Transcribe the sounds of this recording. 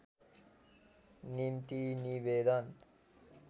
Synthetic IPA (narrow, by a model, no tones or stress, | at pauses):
nimt̪inibed̪ʱən